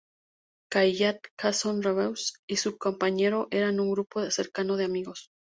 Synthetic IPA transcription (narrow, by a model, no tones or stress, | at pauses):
kajʝat̪kasonraβewsisukompaɲe̞ɾo̞ʔe̞ɾanuŋɡɾupoðeseɾkano̞ð̞eamiɣo̞s